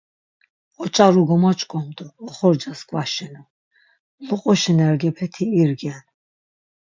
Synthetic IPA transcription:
ɔt͡ʃʼaɾuɡɔmat͡ʃʼkʼɔmd̪ɔːχɔɾd͡ʒaskwaʃɛnɔ | muqʼɔʃɛnɛɾɡɛpʰɛt̪ʰiːɾɡɛn

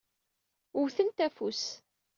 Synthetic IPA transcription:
ʊwθənt̪æfus

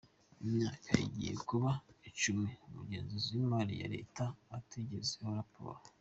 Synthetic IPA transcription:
imɲaːkʰaḭɟijekuβait͡ʃumeumuɡe̞ːnzozimbaɾija̰ɾe̞̰ːtaːtiɟezehoɾapo̰ːɾo

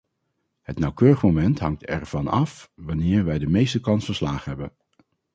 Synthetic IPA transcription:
ɦətnɑwkøːrəχmowmɛntɦɑ̰ŋtɛɹv̥ɑnɑfʋɑnɪːɹʋɛjdəmejstəkɑnsfəɹslaːχəɦɛbən

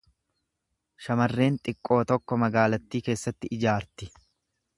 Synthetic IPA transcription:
ʃɐmɐrːe̞ːnt̪ʼɪkʼːo̞ːt̪ɔkːɔmɐɡaːlɐt̪ːiːke̞ːsːɐt̪ːɪʔɪd͡ʒaːɾt̪ɪ

